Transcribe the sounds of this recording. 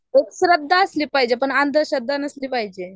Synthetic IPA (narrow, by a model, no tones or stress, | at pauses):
ekɕɾəd̪ʱːaəsliːpaɦid͡ʑepəɳand̪ʱəɕəd̪ːanəsliːpaɦid͡ʑe